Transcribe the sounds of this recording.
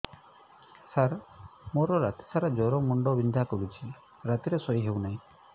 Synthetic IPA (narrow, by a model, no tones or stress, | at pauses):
saɾmoɾɔɾat̪i̥sʰaɾad͡ʒɔɾɔmɔɳɖɔbind̪ʱakɔbit͡ʃʰil | ɾat̪iɾesɔiɦewnaɦĩ